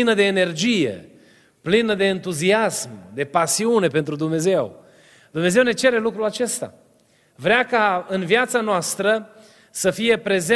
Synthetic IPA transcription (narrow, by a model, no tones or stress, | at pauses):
inəd̪e̞ːne̞rd͡ʒijḛ | plinəd̪e̞ːnt̪uziasmd̪e̞pasiune̞pe̞nt̪ɾud̪umne̞ze̞w | d̪umne̞ze̞wne̞t͡ʃe̞ɾe̞lukɾulat͡ʃe̞st̪a̰ | vɾeakaɨnviat̪sanoast̪ɾə | səfije̞pɾe̞ze